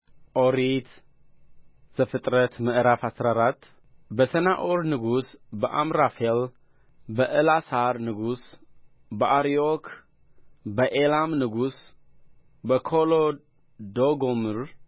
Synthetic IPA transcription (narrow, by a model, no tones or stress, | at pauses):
ʔoɾit̪ | z̥əfɨt̪ʼɾət̪mɨʔɾafasɾaɾat̪ː | bəsənaʔoɾnɨɡusbəʔamɾafel | bəʔɨlasaɾnɨɡus | bəʔaɾiokʰ | bəʔelamnɨɡus | bəkʰolo | d̪oɡomɨɾ